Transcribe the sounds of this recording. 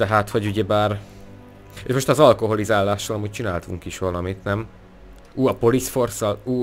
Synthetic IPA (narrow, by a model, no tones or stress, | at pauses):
t̪ɛɦaːt̪hoɟuɟɛbaːr | eʃmo̞ʃt̪ɒzɒlko̞ɦo̞lizaːlːaːʃːɒlɒmuːc̚t͡ʃinaːlt̪uŋkiʃʋɒlɒmit̪nɛm | uːɒpo̞lisfo̞rsɒluː